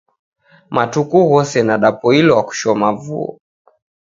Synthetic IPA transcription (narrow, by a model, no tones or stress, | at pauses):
matukuɣɔsɛnaɗapɔilɔaku̥ʃɔmavuɔ̰